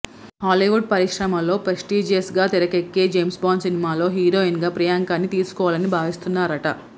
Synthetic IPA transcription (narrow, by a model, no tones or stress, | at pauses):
ɦaːliːʋuɖ̚pɐɾiʂɾɐmɐlo̞ːpɾɐsʈiːd͡ʒeːsɡaːt̪iɾɐkekːe̞ːd͡ʒejmsbaːnsinimaːlo̞ːɦiːɾo̞ːiŋɡaːpɾɐjaːŋkaːnːit̪iːsu̥kɔːʋaːlɐnibʱaːʋist̪unːaːɾɐʈɐ